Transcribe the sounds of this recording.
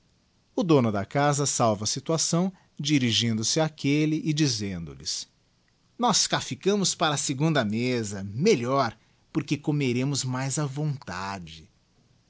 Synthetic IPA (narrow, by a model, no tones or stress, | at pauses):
ʊd̪õnʊd̪ɐkazɐsawvɐsit̪uasɐ̃w̃ | d͡ʒiɾiʒĩnd̪ʊsɪakelɪʔɪd͡ʒizẽnd̪ʊ̰lɪ̰s | nɔskafikɐ̃mʊspaɾɐseɡũnd̪ɐmezɐmeʎɔɾ | poɾkekomeɾẽmʊzmajzɐvõnt̪ad͡ʒɪ